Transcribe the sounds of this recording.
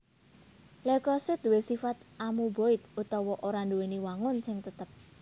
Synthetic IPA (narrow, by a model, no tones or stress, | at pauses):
lekɔsɪt̪duwesifat̪̚amuboɪt̪̚ut̪ɔwɔʔoɾanduweniwaŋʊnsɪŋt̪ət̪əp̚